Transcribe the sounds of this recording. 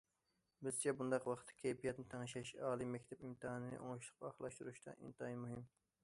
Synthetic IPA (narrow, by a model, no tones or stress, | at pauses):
bɪzt͡ʃʰɛbund̪ɑqwɑχət̪ʰːɨ̥kʲʰɛjpijɛt̪nɪt̪ʰeŋɨʃɛʃɑːlˠimɛkʲt̪ʰɛpimt̪ɨɦɑnɨnɨ̰ʔoŋɑʃlˠə̥qpɑχlˠɑʃt̪uɾuʃt̪ɑ̰ʔḭnt̪ɑinmuɦim